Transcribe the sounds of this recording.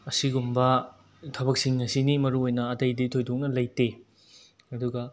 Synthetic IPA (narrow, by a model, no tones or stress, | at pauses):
ɐsiɡumbɐ | tʰɐbɐk̚siŋɐsinimɐɾuojnɐɐtɐjditʰojdok̚nɐlɐjte | ɐduɡɐ